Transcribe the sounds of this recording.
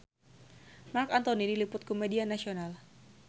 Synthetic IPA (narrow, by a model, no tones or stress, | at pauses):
markant̪onidilipʊt̪̚komedianasional